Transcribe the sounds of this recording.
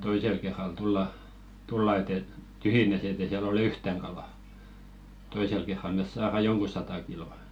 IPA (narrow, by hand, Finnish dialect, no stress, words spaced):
toisel kerːɑl tulːɑ tulːɑ et et tyhjinæs et eˑ siæl olĕ yhtæŋ kɑlɑ toisel kerːɑl mes sɑːrɑ joŋku sɑtɑ kiloˑ